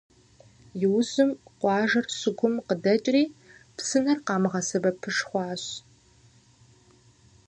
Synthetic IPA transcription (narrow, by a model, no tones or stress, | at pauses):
jɪwzɨmqʷɑːʒɐrsɨɡʷʰʊmqədɐt͡ʃʼriːpsɨnɐrqɑːmɨʁɐsɨbɐpʰɨʂχʷɑːɕ